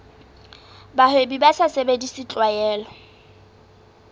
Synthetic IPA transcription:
bahwebibasasebedisɪt͡ɬʼwajɛːlɔ

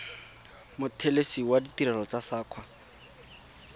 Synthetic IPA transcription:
mʊtʰelesiwaditiɾɛlɔt͡sasaːkʰwa

